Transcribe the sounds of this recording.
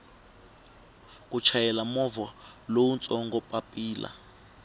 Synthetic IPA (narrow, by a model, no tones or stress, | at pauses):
k̬ʼut͡ʃʰajɛlamɔvalowunt͡sʼɔŋɡɔpʼapʼiːlʔa̰